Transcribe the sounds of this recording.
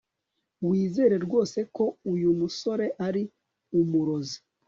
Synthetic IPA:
wiːze̞ːɾe̞ɾɡwo̞ːse̞ko̞ujumuso̞ɾe̞ʔaɾi | umuɾo̞zi̥

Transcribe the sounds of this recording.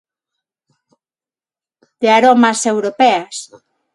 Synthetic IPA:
d̪̥eaɾomasewɾopɛas

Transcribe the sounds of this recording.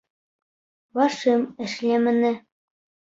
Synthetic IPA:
βɑʃɤmɘ̆ʃlʲemɘ̆nɘ̆

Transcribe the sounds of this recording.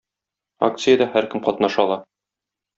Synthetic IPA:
a̰kt̪sɨjəd̪ɑhæɾkɘmqɒt̪nɑʃɑlˠɑ

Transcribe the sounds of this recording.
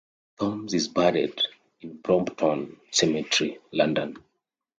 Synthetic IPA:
θɔ̃mzizbaɾɛ̰d | ĩnbɹɔ̃mptʰɔ̃nsɛmɛtɹilãndɔ̃n

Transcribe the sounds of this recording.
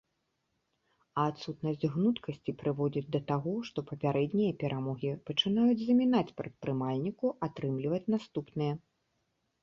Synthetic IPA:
ɐːt̪sut̪nɐsʲd͡zʲɣnut̪kɐsʲt͡sʲipɾɨvɔd͡zʲid͡zʲd̪ɐt̪aɣɔʂt̪ɔpɐpʲaɾɛd̪nʲijɐpʲɛɾʔamɔɣʲipɐt͡ʂɨnajud͡zʲzɐmʲinat͡sʲpɾɐt̪̚pɾɨmalʲnʲikuʔat̪ɾɨmlʲivɐt͡sʲnast̪upnɨjɐ

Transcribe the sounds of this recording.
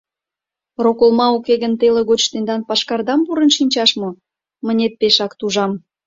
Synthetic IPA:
rokolmɑukeɣə̆nt̪eleɣot͡ɕt̪end̪ɑnpɑʃkɑrd̪ɑmpuɾə̆nʃinʲt͡ɕɑʃmŏ | mə̆nʲet̪̚peʃɑkt̪uʒɑm

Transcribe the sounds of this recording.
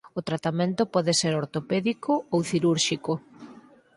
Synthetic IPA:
ʊt̪ɾat̪amẽnt̪ʊpɔðeseɾoɾt̪opeðikoowθiɾuɾʃiko

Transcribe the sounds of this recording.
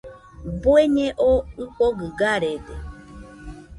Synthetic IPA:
boeɲẽʔokoɡɨɡaɾed̪e

